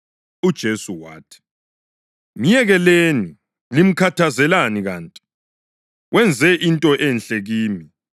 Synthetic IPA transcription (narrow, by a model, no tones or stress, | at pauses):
ud̥ʒ̥ʱesuwa̰ːtʰi̥ | m̩jɛɣɛleni | lim̩kʰatʰazɛlaniɣaːntʼi̥ | wʔɛnd͡zʱɛʔintʼɔʔɛnɬɛɣiːmi